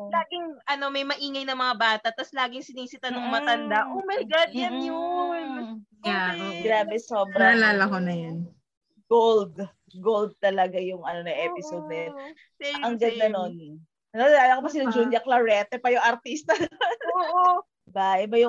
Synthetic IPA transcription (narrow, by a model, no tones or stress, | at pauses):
laːɡɪŋʔɐno̞mɐjmɐʔiːŋɐjnɐmɐŋabaːt̪ɐt̪ɐslaːɡɪŋsɪniːsɪt̪ɐnʊŋmɐt̪ɐnd̪aʔomɐjɡad̪jɐnjʊn | ɡɾaːbɛsoːbɾɐlaːlɐkonɐjon | ɡ̥old̪ | ɡold̪̚t̪ɐlɐɡajʊŋʔɐnonɐʔɛːpɪsod̪̚nɐjɐn | sɐŋɡɐd̪nɐno̞n | ɐnonlaːlɐkopɐsɪlɐd͡ʒunjɐklɐɹɛt̪ɛpɐjʊŋʔɐɾt̪ist̪ɐoʔo | baʔɛbɐjʊ